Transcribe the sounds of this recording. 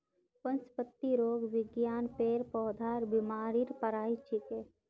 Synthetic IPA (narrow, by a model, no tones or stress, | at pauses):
pə̃nspət̪ːiɾoːɡʋɪɡjaːnpeːɾpɔːd̪ʱaːɾbɪmaːɾiɾpəɾaːit͡ʃʰikeː